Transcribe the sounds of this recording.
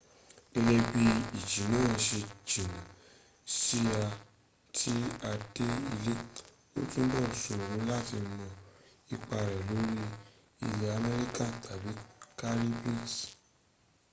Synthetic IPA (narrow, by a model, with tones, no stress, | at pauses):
e˧jɛ˧bi˧i˨d͡ʒi˨˦nã˨˦˧ʃe˧d͡ʒĩ˨nã˨ | si˦a˧ | tʰi˦a˧d̥e˦i˧le˦ | o̰˦tũ˦bɔ˦˨su˨ɾũ˨˦la˦ti˧mɔ̃˧i˧k͡pa˧ɾɛ˨lo˨˦ɾi˦ | i˧lɛ˧a˧mɛ˦ɾi˦kã˦˨tʰa˨bi˨˦ka˦ɾi˦bĩ˦˨s